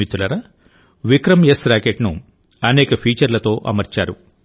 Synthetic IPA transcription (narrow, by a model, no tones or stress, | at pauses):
it̪ulɐɾɐ | ʋikɾɐmjesɾaːkeʈnṵ | ɐnɛːkɐpʰiːt͡ʃɐɾlɐt̪o̞ːʔɐ̰mɐɾt͡ʃaːɾu